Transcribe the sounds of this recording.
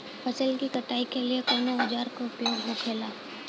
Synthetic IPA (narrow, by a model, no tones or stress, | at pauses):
pʰɐsəlkikɐʈaːikeliekoːnoɦʊd͡ʒaːɾkopjoɡɦõkʰeːlaː